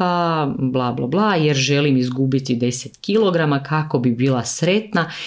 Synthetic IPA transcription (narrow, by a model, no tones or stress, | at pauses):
ablˠaːbla̰blˠajeɾʒelimizɡubit̪id̪e̞set̪kilˠo̞ɡɾamakʰako̞bibiːlˠasɾe̞t̪na